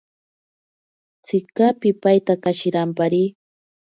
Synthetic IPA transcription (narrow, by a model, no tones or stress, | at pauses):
t͡sɪkapɪpajt̪akaʃɪɾampaɾiː